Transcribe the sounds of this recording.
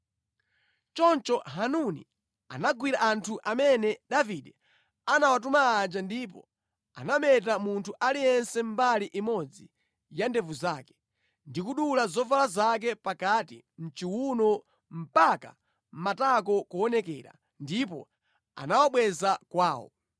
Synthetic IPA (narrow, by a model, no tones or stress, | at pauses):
t͡ʃɔnt͡ʃɔɦanunḭ | a̰naɡwiɾaʔantʰuʔamɛnɛɗaviɗɛ | anawat̬umaːd͡ʒandip̬ɔ̰ | a̰namɛt̬amuntʰuʔalijɛnsɛm̩baliʔimɔd͡zi | jandɛvuzaːkɛ̥ | ndikuɗulazɔvalazak̬ɛpakatḭ | n̩t͡ʃiwunɔ | m̩paka | m̩matakɔkuɔnɛkɛ̰ːɾa̰ | ndip̬ɔ̰ | a̰nawaɓwɛzakwaːwɔ̰